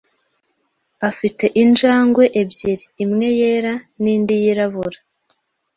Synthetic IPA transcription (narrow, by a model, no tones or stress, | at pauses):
afite̞ʔind͡ʒaːŋɡwe̞ʔebjiɾiːmŋe̞je̞ɾaniːndijiɾaβuɾa